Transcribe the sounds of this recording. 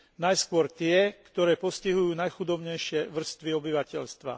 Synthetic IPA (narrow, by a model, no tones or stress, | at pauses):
najskʊɔɾt̪ɪɛkt̪ɔɾɛːpɔsciɦujuːnajxud̪ɔbɲɛjʃɪɛʋr̩st̪ʋiɔbiʋacɛʎst̪ʋa̰